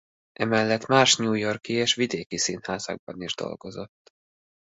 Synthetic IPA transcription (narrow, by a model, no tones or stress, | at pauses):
ʔɛmɛlːɛt̪maːʃɲuːjo̞rkieːʃʋid̪eːkisinhaːzɒ̰ɡ̚bɒniʒd̪o̞̰lɡ̥o̞zo̞t̪ː